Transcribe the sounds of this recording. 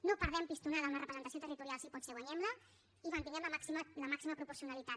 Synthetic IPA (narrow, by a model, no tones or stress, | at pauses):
nopəɾð̞ɛmpist̪unaðəaunərəpɾəzənt̪siot̪ərit̪uɾialsipɔseɣwaɲɛmlə | iβant̪iɲɛmləmasimələmaksiməpɾupuɾsiunalit̪at̪̚